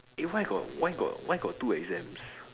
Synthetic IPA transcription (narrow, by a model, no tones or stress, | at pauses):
iwaɡɔ̰t̚wajɡɔ̰twʔaɪɡɔt̚tːuɛɡzɛ̃ms